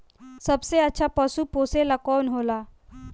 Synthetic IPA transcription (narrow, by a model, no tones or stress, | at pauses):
səbseətːɕʰapəsuːposelakɔnɦola